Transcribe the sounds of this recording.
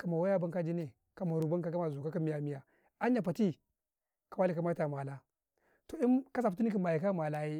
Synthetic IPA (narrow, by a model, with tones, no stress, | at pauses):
ka˨ma˨wa˦ja˦ba˦ŋka˦d͡ʒi˦ne˨ | ka˨ma˨ɾu˨ba˦nka˦ka˦ma˨zo˨ka˦ka˦mi˦ja˨mi˦ja˨ | a˦ɲ˦a˨pa˨ti˦ | ka˨wa˦li˨ka˨ma˦ta˨ma˨la˦ | to˨i˦nka˦s̬a˨pu˨tu˦ni˦ki˦˨ma˨ji˨ka˦ma˨la˦ji˦